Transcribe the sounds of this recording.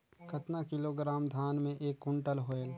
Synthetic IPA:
kɐt̪nakɪloːɡɾaːmd̪ʱaːnmẽʔeːkʊ̃ɳʈəlɦoeːɡ

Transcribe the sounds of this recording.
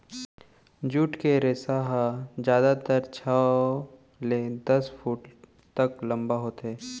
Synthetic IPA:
d͡ʒuːʈkeɾeːsaɦad͡ʒjaːd̪at̪əɾt͡ʃʰaː | led̪ɐspʰuːʈ | t̪ɐklɐ̃mbaɦoːt̪ɦɛː

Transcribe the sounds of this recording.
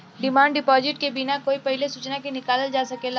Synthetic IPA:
ɖɪmãːɳɖɪpɔːzɪʈkebinakoːipɐɦɪlesuːt͡ʃnakinɪkaːləld͡ʒaːsɐkela

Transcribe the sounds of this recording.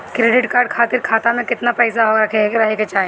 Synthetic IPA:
kɾeːɖɪʈkaːɾɖkʰaːt̪ɪɾkʰaːt̪amẽkɪt̪napɛːsaɦoɾɐkʰeɾɐɦeket͡ʃaːɦẽ

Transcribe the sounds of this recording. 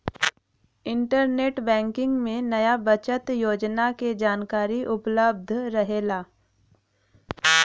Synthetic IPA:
ɪ̃ɳʈəɾneːʈbɛ̃ːŋkɪ̃ŋɡmẽnɐjabɐt͡ʃət̪joːd͡ʒnaked͡ʒaːnkaːɾiʔʊpləb̚d̪ʱɾɐɦeːlaː

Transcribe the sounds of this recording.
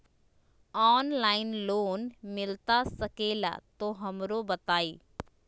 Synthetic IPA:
ɔːnlaːɪnloːnmɪlt̪asəkeːla̰t̪oɦɐmɾobət̪aːiː

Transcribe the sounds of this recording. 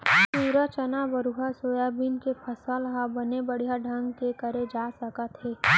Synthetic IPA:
puːɾat͡ʃənabəɾuɦasoːjaːbinkepʰəsəlɦabənebəɽ̤ijaɖʱɐ̃ŋɡkekəɾed͡ʒaːsəkət̪ɦeː

